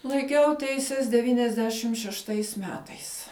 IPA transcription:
lˠɐɪˈkʲɛʊ ˈtʲɛɪsʲɛs dʲɛˈʋʲiːnʲɛzʲˌdʲæːʃʲɪm ʃʲɛʃˈtɐɪs ˈmʲæːtɐɪs

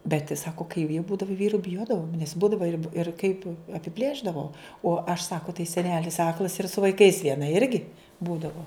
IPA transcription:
bʲɛtʲ ˈsɑːkoː kɐɪ ʋʲiɛ ˈbuːdɐʋoː ˈʋʲiːrʊ bʲɪˈjoːdɐʋoːm nʲɛs ˈbuːdɐʋɐ ɪr ɪr kɐɪp ɐpʲɪˈpʲlʲeːʒdɐʋoː oː ɐʃ ˈsɑːkoː tɐɪ sʲɛˈnʲæːlʲɪs ˈɑːklˠɐs ɪr sʊ ʋɐɪˈkɐɪs ʋʲiɛˈnɐ ˈɪrʲɡʲɪ ˈbuːdɐʋoː

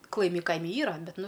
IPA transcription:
klˠɐˈɪmʲɪ ˈkɐɪmʲɪ ˈiːrɐ ˈbʲɛt ˈnʊ

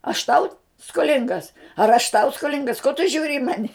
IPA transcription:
ɐʃ ˈtɐʊ skoːˈlʲɪŋɡɐs ɐr ɐʃ tɐʊ skoːˈlʲɪŋɡɐs koː tʊ ˈʒʲuːrʲɪ ɪ ˈmɑːnʲɪ

